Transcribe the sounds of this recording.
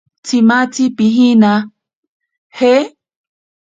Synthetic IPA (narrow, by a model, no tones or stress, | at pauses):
t͡sʰimat͡sʰipiɦina | he